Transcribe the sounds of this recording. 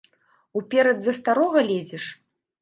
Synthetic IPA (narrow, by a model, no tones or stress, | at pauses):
upʲɛɾɐd̪zɐst̪aɾɔɣɐlʲed͡zʲɛʂ